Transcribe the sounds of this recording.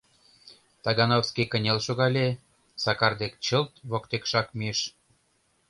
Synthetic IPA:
t̪ɑɣɑnofskekə̆nʲelʃoɣɑlʲe | sɑkɑrd̪ek̚t͡ɕə̆lt̪βokt̪ekʃɑkmieʃ

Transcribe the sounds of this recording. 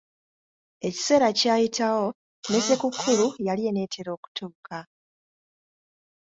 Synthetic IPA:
e̞ci̥se̞ːɾacaːjitʰawo̞ | ne̞se̞kukʰːulujalie̞ne̞ːtʰe̞ɾo̞ːku̥tʰuːka

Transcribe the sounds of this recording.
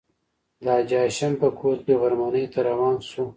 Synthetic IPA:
d̪ɑːd͡ʒɑːʃampəkʰoːɾkeɣaɾmanəjt̪aɾawɑːnsu

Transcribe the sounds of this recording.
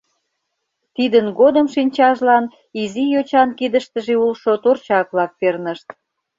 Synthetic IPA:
t̪id̪ənɡod̪əmʃinʲt͡ɕɑʒlɑn | izijot͡ɕɑnkid̪əʃt̪əʒeulʃot̪ort͡ɕɑk̚βlɑk̚pernəʃt̪̚

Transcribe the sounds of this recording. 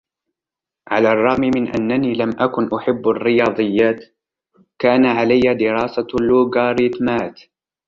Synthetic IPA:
ʕalaːrˤːɑɣmimɪnʔa̰nːaniːlamʔakʊnʔʊħɪbːarːɪjɑːd̪ˤɨjːaːt̪ | kaːnaʕalajːad̪ɪɾɑːsalːuːɡaːɾɪt̪maːt̪

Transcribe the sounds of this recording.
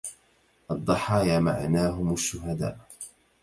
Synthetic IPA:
ʔɑd̪ˤːɑħɑːjaːma̰ʕnaːɦʊmaʃːʊɦad̪a̰ːʔ

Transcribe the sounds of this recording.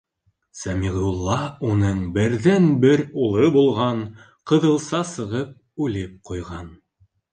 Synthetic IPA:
sæmiʁulˠːɑunɤɴbɘ̆ɾðænbɘɾulˠɤbulˠʁɑn | qɤ̆ðɤ̆lˠsɑsɤ̆ʁɤp̚ | ʉlɘp̚qujʁɑn

